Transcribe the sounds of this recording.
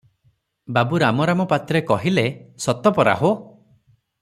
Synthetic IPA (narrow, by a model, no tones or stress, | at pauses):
babuɾamɔɾamɔpat̪ɾekɔɦilesɔt̪ɔpɔɾa̰ɦo